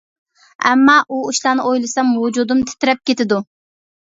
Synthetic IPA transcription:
ɛmːɑʔuuʃlˠɑːnɨojlˠɨsɑmud͡ʒud̪umt̪ʰɪ̥t̪ɪɾɛp̚kʲet̪ɪd̪u

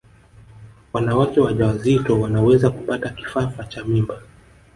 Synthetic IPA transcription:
wanawakɛwaʄawazitɔwanawɛzakupataki̥fafat͡ʃamimba

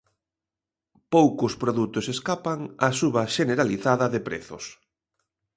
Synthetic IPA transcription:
powkʊspɾoðut̪ʊseskapaŋasuβɐʃeneɾaliθaðɐðɪpɾḛθʊ̰s

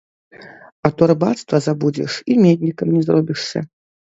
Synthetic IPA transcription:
ɐt̪ɔrbat̪st̪vɐzabud͡zʲɛ̰ʂimʲed̪ʲnʲikɐmnʲɛzrɔbʲiʂsɐ̰

